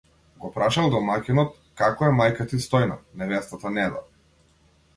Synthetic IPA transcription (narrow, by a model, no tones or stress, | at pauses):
ɡɔpɾaʃalˠd̪ɔmakʲinɔt̪ | kakɔɛmajkat̪ist̪ɔjna̰nɛvɛst̪at̪anɛb̪a̰